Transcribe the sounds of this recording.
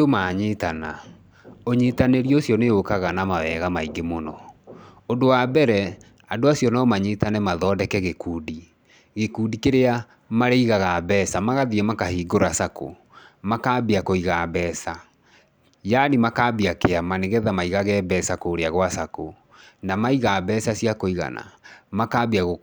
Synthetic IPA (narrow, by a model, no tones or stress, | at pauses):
omaɲetana̰ | oɲeːtaneɾiosjɔneokaɣanamawɛɣamaiŋɡemonɔ | ondowabɛɾɛ | adoasjɔnaomaɲetanɛmaðɔːdɛkɛɣekuːdi | ɣekuːdikeɾea | maɾeiɣaɣabɛsamaɣaðiɛmakahiːɡoɾasako̰ | makaːbiakoiɣabɛːsa | janimakaːbiakeamaneɣɛðamaiɣaɣɛːbɛsakoːɾeaɣwasako | namaiɣabɛːsasiakoiɣa̰na̰makaːbiaɣo